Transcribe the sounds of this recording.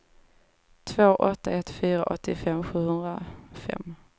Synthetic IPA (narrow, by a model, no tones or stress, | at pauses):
t̪ʰvoːʔɔt̪ːaɛt̪fyːɾaʔɔt̪ːɪfɛmɧʉ̟ːhɵnd̪ɾafɛ̰mː